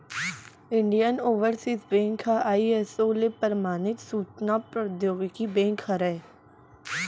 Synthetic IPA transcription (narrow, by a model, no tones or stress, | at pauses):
ɪɳɖijənoːʋəɾsisbẽːŋkʰaʔaːiɛsoːlepəɾmaːnɪt̪suːt͡ʃnaːpɾəd̪joːɡkibẽːŋkʰaɾɛː